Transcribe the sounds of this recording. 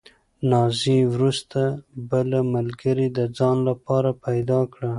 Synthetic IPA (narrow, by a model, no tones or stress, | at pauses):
nɑziwɾust̪abəlamalɡəɾid̪əd͡zɑnlapɑɾapajd̪ɑkɽa